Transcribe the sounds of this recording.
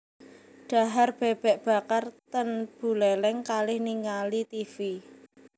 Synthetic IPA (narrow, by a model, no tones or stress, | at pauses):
ɖ̥a̤ɦarb̥ɛb̥ɛ̤ʔb̥a̤kart̪ənb̥ṳlɛlɛŋkalɪhniŋalit̪ifi